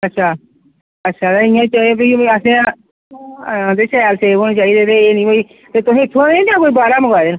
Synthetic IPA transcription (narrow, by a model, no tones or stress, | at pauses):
ətːʃʰaː | ətːʃʰaːt̪aɪ̃jãːt͡ʃaːbiːəsẽː | ãːd̪eːʃəjaːlseːoːñeːt͡ʃaːiːd̪eːt̪eːeːnĩːɦoːiː | t̪eːt̪ʊsẽːɪt̪ʰːõẽːd̪ãːkoːiːbaːɾaːməɡaːd̪eːn